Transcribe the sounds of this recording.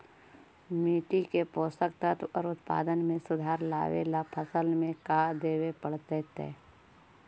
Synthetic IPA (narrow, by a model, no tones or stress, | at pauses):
miːʈ̪ikepoːsəkt̪ət̪ɔ̰ːɾʊt̪pa̰ːd̪ənmẽsʊd̪ʱaːɾla̰ːʋḛːlapʰəsəlmẽkaːd̪eːwepəɽt̪et̪ḛː